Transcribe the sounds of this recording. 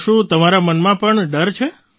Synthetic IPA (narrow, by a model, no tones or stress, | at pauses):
ʃũt̪əmaɾamənmãpəɳɖəɾt͡ʃʰe